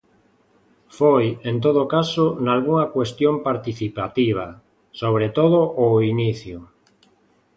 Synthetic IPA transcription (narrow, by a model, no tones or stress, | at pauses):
fojent̪oðokasonalɣuŋɐkwest̪jompaɾt̪iθipat̪iβ̞a | soβ̞ɾet̪oðoʔːiniθjo